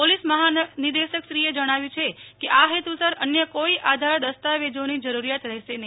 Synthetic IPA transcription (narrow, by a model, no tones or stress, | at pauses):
polisməɦanid̪eʃəkʃɾied͡ʒəɽ̃aʋjũt͡ʃʰekeʔaɦet̪usəɾənjəkoiʔad̪ʱaɾd̪əst̪aʋed͡ʒonid͡ʒəɾuɾijat̪ɾɛɦʃenəɦi